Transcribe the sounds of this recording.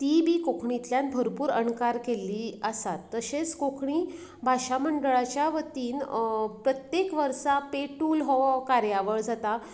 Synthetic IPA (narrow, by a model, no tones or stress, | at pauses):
t̪ibʱiːkokʰɳit̪ljãnbʱəɾpuːɾəɳkaɾkeliːəsat̪ːəɕet͡skokʰɳiː | bʱaɕaməɳɖəɭat͡ɕjaʋət̪iːnpɾət̪jekʋəɾsapeʈuːlɦɔkaɾjaʋəɭd͡zʱat̪a